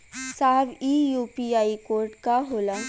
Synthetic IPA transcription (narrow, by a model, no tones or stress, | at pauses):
saːbijuːpiaːikoːɾʈkaɦoːlə̃